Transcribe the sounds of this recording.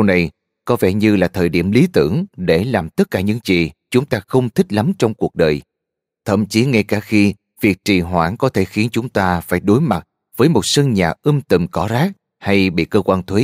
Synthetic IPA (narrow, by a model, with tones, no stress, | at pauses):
ə˧wna˨˩j | kɔ˨˦vɛ̰˧˩ɲɨ˧laː˨˩t̪ʰəː˨˩jɗi˧˩əmli˨˦t̪ɨ̰˧˩əŋɗe˧˩laː˨˩mt̪ə˦˥t̚kaː˧˩ɲɨ̰˧˥ŋt͡ɕḭ˨t͡ɕʊ˨˦ŋ͡mt̪aː˧xə˧wŋ͡mt̪ʰï̟˦˥la˨˦mt͡ɕɔ˧wŋ͡mku˨˩ək̚ɗəː˨˩j | t̪ʰə̰˧˩˨mt͡ɕi˨˦ŋa˧jkaː˧˩xi˧ | vi˨˩ək̚t͡ɕi˨˩ɦwa̰ː˧˩nkɔ˨˦t̪ʰe˧˩xi˨˦ənt͡ɕʊ˨˦ŋ͡mt̪aː˧faː˧˩jɗo˨˦jma˨˩t̚ | v̥əː˨˦jmo˨˩t̚sə˧nɲaː˨˩ʔɨ˧mt̪ḭ˧˩mkɔ˧˩zaː˦˥k̚ | ha˧jɓḭ˧˨kəː˧kwaː˧nt̪ʰwe˨˦